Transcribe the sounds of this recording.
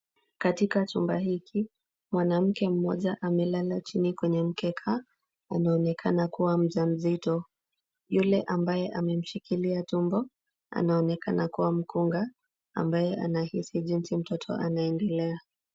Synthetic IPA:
katikat͡ʃumbaɦikʰi | mwanam̩kɛm̩mɔ̰ʄaʔamɛlalat͡ʃinikwɛɲɛm̩kɛkʰa | anaɔnɛkʰanakuwam̩ʄam̩zitɔ | julɛʔambajɛʔamɛm̩ʃikiliatumbɔ | a̰naɔnɛkanakuwam̩kʰuŋɡa | a̰mbajɛʔa̰nahisiʄinsim̩tɔtʰɔ̰anaɛndɛlɛa

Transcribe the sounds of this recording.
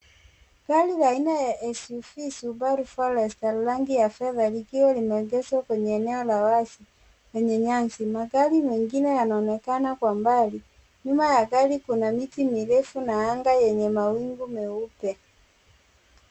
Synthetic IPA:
ɡ̥alilainajaʔɛsufisubaɾufalɛstallaŋɡijafɛðalikiwɛlimɛɡɛswakwɛɲɛːnɛɔlawasi | wɛɲɛɲaŋsimaɡalimɛŋɡinɛjanaɔnɛkanakwambali | ɲumajaɡalikunamitimiɾɛfunaaŋɡajɛɲɛmawiŋɡumɛupɛ

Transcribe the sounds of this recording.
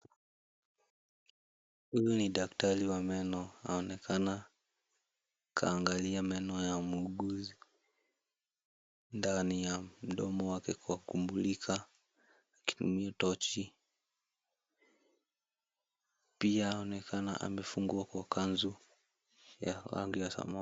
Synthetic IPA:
hujɔniɗaktaɾiwamɛnɔa̰ɔnɛkʰana | kʰa̰ːŋɡaliamɛnɔjamuːɠuzi | ndanijam̩ɗɔmɔwakɛkuwakumbulikʰaː | ki̥tṵmiatɔt͡ʃi | piaɔnɛkʰana̰ʔa̰mɛfuŋɡuakwakʰanzu | ja̰la̰ŋɡujasa̰ma

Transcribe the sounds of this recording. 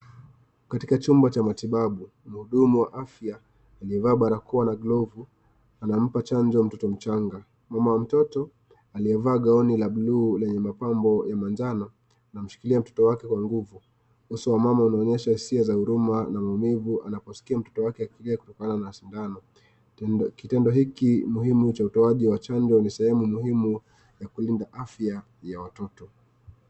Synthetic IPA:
katikat͡ʃumbat͡ʃamatiɓaɓu | m̩huɗumuwaʔafjaː | liɛvaːɓaɾakuwanaɡlɔvu | anam̩pat͡ʃand͡ʒɔm̩tɔtɔm̩t͡ʃaŋɡa | mamawam̩tɔtɔ | aliɛvaːɠaɔnilaɓuluːlɛɲɛmapambɔjamand͡ʒana | nam̩ʃi̥kiliam̩tɔ̥tɔwakɛkwaŋɡuvu | husuwamamaunaɔɲɛʃahisiazahuɾumanamaumivuʔanapɔsi̥kiam̩tɔ̥tɔwakɛakiliaku̥tɔkananaʃindanɔ | kitɛndɔɦikimuhimut͡ʃautɔaʄiwat͡ʃand͡ʒɔnisɛhɛmumuhimu | jakulindaʔafja | jawatɔtɔ

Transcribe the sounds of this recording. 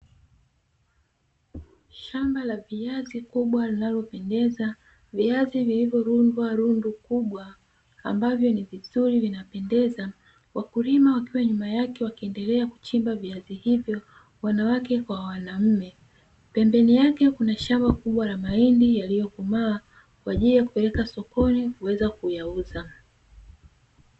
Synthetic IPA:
ʃambalaviazikuɓwalinalɔpɛndɛza | viazivilivjɔɾundwaɾundukuɓwa | a̰mbavjɔnivizuɾivinapɛndɛza | wakulimawakiwaɲumajakɛwakiɛndɛlɛaku̥t͡ʃimbaviazihivjɔ | wanawakɛkwawanam̩mɛ | pɛmbɛnijakɛkunaʃambakuɓwalamaindijalijɔkumaː | kwaːʄilijaku̥pɛlɛkasɔkɔnikuwɛzakujauza

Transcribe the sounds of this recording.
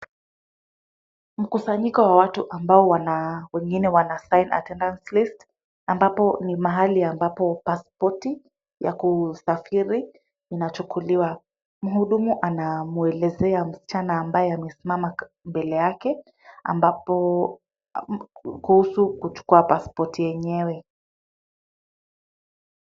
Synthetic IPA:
m̩kusaɲikɔwawatuʔambaɔwanawɛŋɡinɛwanasaina̰tɛndanslist | ambapɔnimaɦaliambapɔpaspɔti | ja̰kusafiɾi | inat͡ʃukʰuliwa | m̩ɦuɗumuʔanamuɛlɛzɛam̩si̥t͡ʃanaːmbajɛamɛsimama | mbɛlɛjakɛ | a̰mbapɔ | kuhusukut͡ʃu̥kuapaspɔtʰijɛɲɛwɛ

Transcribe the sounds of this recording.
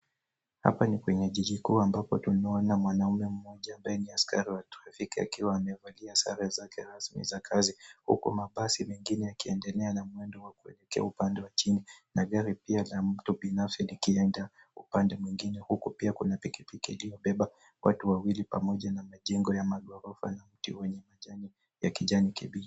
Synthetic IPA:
ha̰panikwɛɲɛʄiʄikuambapɔtunaɔnamwanaumɛm̩mɔʄaːmbajɛniaskaɾiwatɾafikia̰kiwaːmɛvaliasa̰ɾiazakɛɾasmḭzakʰazihṵkṵmaɓasimɛŋɡinɛjakiɛndɛlɛanamwɛndɔwakuɛ̰lɛkɛa̰upandɛwat͡ʃininaɠaɾipialam̩tuɓinafsilikiɛnda | upandɛmwiŋɡinɛhukupiakunapikipikiilijɔɓɛɓa | wʔa̰tuwawilipamɔʄanamaʄɛŋɡɔjamaɠɔɾɔfa̰nam̩tḭwɛɲɛmaʄani | jakiʄanikiɓila

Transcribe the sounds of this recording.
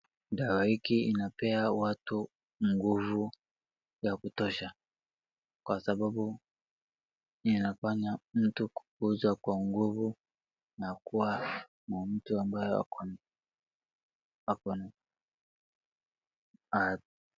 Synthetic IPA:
dawahikiinapɛawatu | ŋɡuvu | jakutɔʃa | kwasababu | inafaɲam̩tuku̥kuzwakwaŋɡuvu | nakuwa | mam̩tuambajɔa̰kɔn | akɔna | a

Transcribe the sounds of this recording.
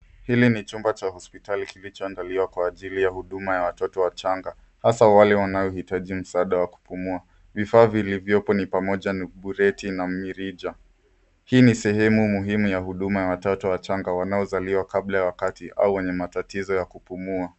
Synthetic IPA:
hilinit͡ʃumbat͡ʃahɔspitalikilit͡ʃɔandaliwakwaːʄilijahuɗumajawatɔtɔwat͡ʃaŋɡa | hasawalɛwanajɔhitaʄim̩saaːɗawaku̥pumua | vifaːvilivjɔpɔnipamɔʄaniɓuɾɛtinam̩miɾid͡ʒa | hiːnisɛɦɛmumuɦimujahuɗumajawatɔtɔwat͡ʃaŋɡawanaɔzaliwakablajawakatiʔa̰uwɛɲɛmatatizɔjakupumua

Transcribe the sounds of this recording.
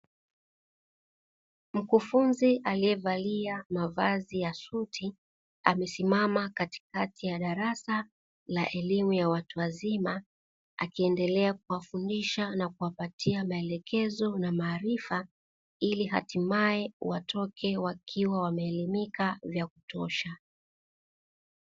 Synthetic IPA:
m̩kufunziʔalijɛvaliamavazijasutʰi | a̰mɛsimamakati̥katʰijaɗaɾasa | laʔɛlimujawatuwazima | akiɛndɛlɛak̚uwafundiʃanakuwapatʰiamaɛlɛkʰɛzɔnamaːɾifa | iliɦa̰timaɛwatʰɔkʰɛwakʰiwawamɛːlimikavjakutɔʃa

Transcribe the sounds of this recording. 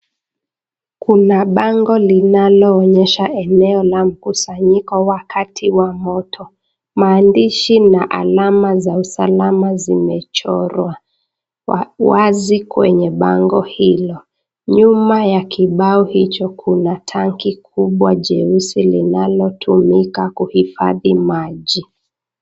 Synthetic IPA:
kunaɓaŋɡɔlinalɔːɲɛʃaɛnɛɔlam̩kusaɲikɔwakatʰiwamɔtʰɔ | maːndiʃinaʔa̰lamazausalamazimɛt͡ʃɔɾwa | wazikwɛɲɛɓa̰ŋɡɔhilɔ | ɲumajakiɓaɔhit͡ʃɔkʰunatʰaŋkikʰuɓwaʄɛusilinalɔtʰumikakuhifa̰ðimaʄi

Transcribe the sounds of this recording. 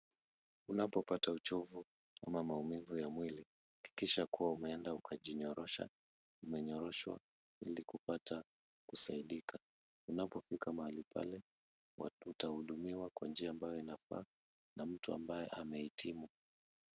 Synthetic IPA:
unapɔpataut͡ʃɔvu | a̰mamaumivujamwili | ki̥kiʃakuwaumɛɛndaukʰaʄiɲɔɾɔʃa̰ | umɛɲɔɾɔʃwa̰ | ilikupata | kusaiɗikʰa | unapɔfikamahalipʰa̰lɛ | utahuɗumiwakwand͡ʒiaːmbajɔinafa̰ː | nam̩tua̰mbajɛʔamɛhitʰimu

